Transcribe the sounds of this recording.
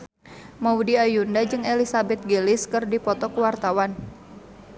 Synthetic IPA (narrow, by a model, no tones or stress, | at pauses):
maudiajundad͡ʒɨŋelisabɛt̪̚ɡelɪskɨrdipɔt̪ɔkuwart̪awan